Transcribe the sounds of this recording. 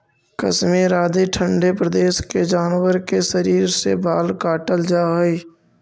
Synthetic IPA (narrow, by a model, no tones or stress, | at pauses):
kə̰smeɾaːd̪iʈʰə̃ɳɖepɾəd̪eːʃked͡ʒaːnwəɾkesəɾiːɾsebʱaːlkaːʈəld͡ʒaːiː